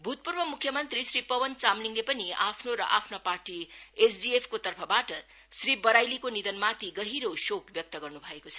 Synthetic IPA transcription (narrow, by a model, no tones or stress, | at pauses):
bʱut̪̚purbʌmukʰːjʌmʌnt̪risripʌbʌnt͡samliŋlepʌniapʰnoɾʌ̰ʔapʰnaparʈiesdiepʰkot̪ʌrpʰʌbaʈʌ | sribʌɾajlikonid̪ʌnmat̪iɡʌɦiɾosokbjʌk̚t̪ʌɡʌrnubʱʌekot͡sʰʌ